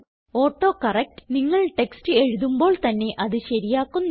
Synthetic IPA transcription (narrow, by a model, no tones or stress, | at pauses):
oːʈːo̞ːkɐrek̚ʈɨ̥niŋːɐɭʈe̞kstɨe̞ɻuðumbo̞ːɭt̪ɐnːe̞ʔɐðɨɕɐɾijaːkːunː